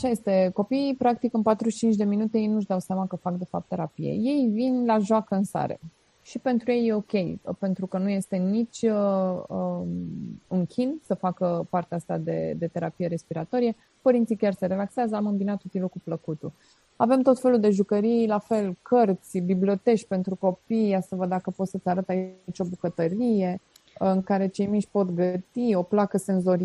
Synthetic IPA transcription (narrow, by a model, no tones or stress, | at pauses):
aʃaje̞st̪e̞ko̞piːpɾak̚t̪ikɨnpat̪ɾuʃt͡ʃint͡ʃd̪e̞minut̪e̞jejnuʃ̬d̪awseamakəfakd̪e̞fap̚t̪ːe̞ɾapijḛje̞jvinlaʒoakəɨnsa̰ɾḛ | ʃipe̞nt̪ɾuje̞jːe̞o̞kʲe̞jpe̞nt̪ɾukənuje̞st̪e̞nit͡ʃʲəə | ɨŋkʲʰinsəfakəpaɾrt̪east̪a̰d̪e̞̰d̪e̞t̪e̞ɾapije̞ɾe̞spiɾat̪o̞ɾije̞ | pəɾint̪sikʲarse̞ɾe̞lakseazəamɨmbinat̪ut̪ilukupləkut̪u | ave̞mt̪o̞t̪fe̞luld̪e̞ʒukəɾijlafe̞lkʰərt̪sʲbiblio̞t̪e̞ʃʲpe̞nt̪ɾuko̞piasəvəd̪d̪akəpo̞t̪sət̪sʲaɾət̪ait͡ʃo̞bukət̪əɾije̞ | ɨŋkaɾe̞t͡ʃe̞jmiʃʲpot̪ɡət̪io̞plakəse̞nzo̞ɾi